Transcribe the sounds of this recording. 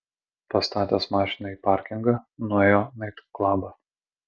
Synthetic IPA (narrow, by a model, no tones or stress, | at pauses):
pɐst̪ɑːt̪ʲɛsmɑːʃʲɪnɐiːpɑˑɾʲkʲɪŋɡɐnueːjoːnɐɪt̪klˠɑːbɐ